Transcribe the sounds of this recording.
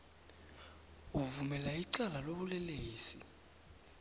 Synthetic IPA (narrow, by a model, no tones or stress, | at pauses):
uvumɛlaiǀalaloɓulɛleːsḭ